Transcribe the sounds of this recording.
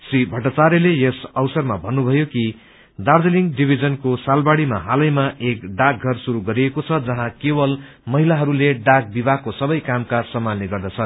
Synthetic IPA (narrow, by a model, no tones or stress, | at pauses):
sibʱʌʈʌt͡saɾjʌlejʌsʌwsʌrmabʱʌnːubʱʌjoki | d̪ard͡zeliŋɡɖibʱid͡zʌnkosalbaɽima̰ɦalʌjmaʔekɖak̚ɡʱʌrsuɾuɡʌɾiekot͡sʰʌd͡zʌɦãkewʌl | mʌɦilaɦʌɾuleɖak̚bibʱakosʌbʌjkamkasʌmːanneɡʌrd̪ʌt͡sʰʌ